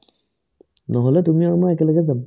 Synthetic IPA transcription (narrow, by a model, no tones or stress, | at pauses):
nɔɦɔlɛt̪umiamaɛkɛləɡɛza